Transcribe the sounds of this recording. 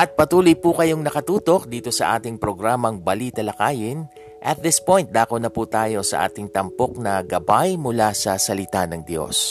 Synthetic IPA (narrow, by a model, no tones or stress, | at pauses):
ʔɐt̪̚pɐt̪uːlʊjpuːkɐjoŋnɐkɐt̪uːt̪o̞k̚d̪iːt̪o̞sɐʔa̰ːt̪ɪŋpɾo̞ɡɾaːmɐŋbɐliːt̪ɐlɐkaːjɪn | ʔɐt̪̚ðɪspo̞jnt̪̚d̪aːkonɐpuːt̪aːjo̞sɐ̰ʔa̰ːt̪ɪŋt̪ɐmpo̞k̚nɐɡɐbajmʊlasɐsɐlɪt̪anɐŋd̪jo̞̰s